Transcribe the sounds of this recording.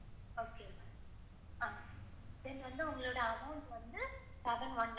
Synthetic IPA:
oːkema | aː | ɪðɛnːʋɐnd̪ɯʊŋɡɐɭoːɽɐɐmɐʊɳʈʋɐnd̪ɯ | sɐʋɐnʋɐɳ

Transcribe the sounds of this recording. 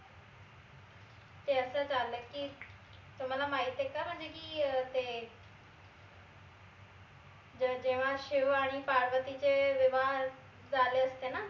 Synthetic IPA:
t̪eəsãt͡ʃaːləki | t̪omət̪ləbmaːit̪ekabə̃d͡ʒekit̪eː | d͡ʑẽːʋãʃɪoaːɽ̃iːpaːɾʋət̪it͡ɕeʋɪʋaː | zaːleəst̪eːnaː

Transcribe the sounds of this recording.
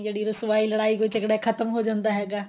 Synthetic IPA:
jɐɽiɾʊsʋaːilɐɽaːikot͡ʃɐkɽekʰɐt̪əmɦod͡ʒãːnd̪aɦɛːɡaː

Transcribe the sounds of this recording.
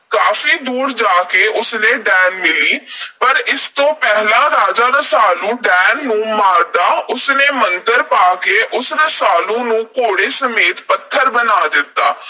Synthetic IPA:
kaːfiːd̪uːɾd͡ʒaːkeːʔʊsnẽːɖɛːnmɪliːpəɾɪst̪õːpɛɦlãːɾaːd͡ʒaːɾəsaːlũːɖɛːnːũːmaːɾd̪aːʊsneːmənd̪əɾpaːkeːʔʊsɾəsaːlõːnũːkoːɽeːsəmeːt̪pət̪ʰːəɾbənaːd̪ɪt̪ːaː

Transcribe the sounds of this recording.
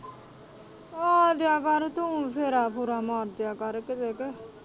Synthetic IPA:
ɔːd̪ɪjaːkəɾt̪ʊ̃pʰeːɾaːpuɾaːmaːɾd̪jaːkəɾkɪt̪eːke

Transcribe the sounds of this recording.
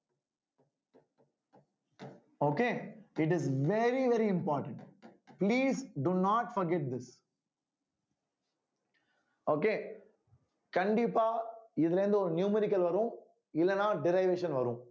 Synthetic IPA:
oːkeːɪʈɪzʋɛɾiʋɛɾiɪ̃mpɔːɾʈə̃ɳʈpliːzɖunɔːʈfɔɾɡɛʈ̚d̪ɪs | oːkeː | kɐɳɖɪpːaːɪðɪlɐɾɪnd̪ɯɔɾnjuːmɛɾɪkːɐlʋɐɾũ | ɪlːɛnːãːɖɪɾaɪʋeːʃɐ̃nʋɐɾũ

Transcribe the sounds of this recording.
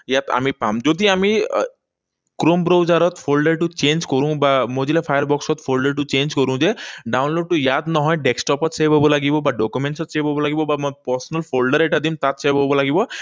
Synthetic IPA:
jat̪a̰mipamd͡ʒɔd̪iami | kɾombɾowd͡ʒaɾɔt̪pʰolɖəɾʈut͡ʃend͡ʒkɔɾũbamɔd͡ʒilepʰajəɾbɔksɔt̪pʰolɖəɾʈut͡ʃend͡ʒkɔɾũd͡ʒeɖawnloɖ̚ʈujad̪nɔɦɔ̃jɖeksʈɔpɔt̪sebɦɔbɔlaɡibɔbaɖɔkumeɳʈsɔt̪sebʱɔbɔlaɡibɔbapɔɾsɔnəlpʰolɖəɾeʈad̪imt̪at̪sebʱɔbɔlaɡibɔ

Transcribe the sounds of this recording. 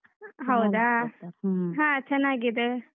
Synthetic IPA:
ɦawd̪a | ɦãətːɕʰanaɡid̪ə

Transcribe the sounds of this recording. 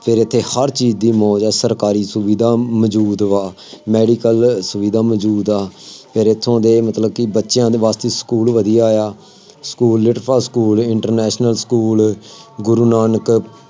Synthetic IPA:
pʰɪɾɪt̪ʰːeːhəɾt͡ʃiːd͡ʒd̪iːmɔ̃ːd͡ʒaːsəɾkaːɾiːsʊʋiːd̪ʱaːmd͡ʒuːd̪ʋaː | mɛːɖiːkəlsʊʋiːd̪ãːməd͡ʒuːd̪aːpʰɪɾɪt̪ʰːõːd̪eːmət̪ləb̚kɪbətːʃjãːd̪eːʋaːst̪eːsə̥kuːlʋəd̪ijaaːjaː | skuːlːɪʈpʰaːskuːlɪɳʈəɾnɛːʃnəlskuːlɡʊɾuːnaːnək

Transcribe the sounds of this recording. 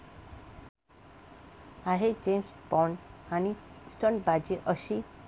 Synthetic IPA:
aɦed͡ʒemsbɔɳanisʈɔnbad͡ʑiʔəʃi

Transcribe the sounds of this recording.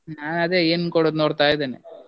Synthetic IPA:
ɲaːnɐðeenkoɽɐnoːɽt̪ːaːjɐt̪ɐnːḛ

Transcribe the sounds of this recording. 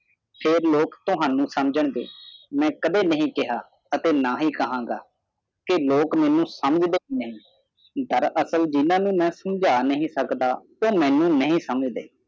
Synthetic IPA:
pʰeːɾloːkt̪ʊɦaːnũːsəmd͡ʒəɳd̪ḛːmɛ̃ːkəd̪eːnəɦĩːkɪɦaː | ət̪eːnaːɦiːkəɦãːɡa̰ː | kɪloːkmɛ̃ːnũːsəməd͡ʒd̪eːɦiːnəɦĩː | d̪əɾʔəsəld͡ʒɪnãːnũːmɛ̃ːsəmd͡ʒaːnəɦĩːsəkd̪aː | oːmɛ̃ːnũːnəɦĩːsəməd͡ʒd̪ḛː

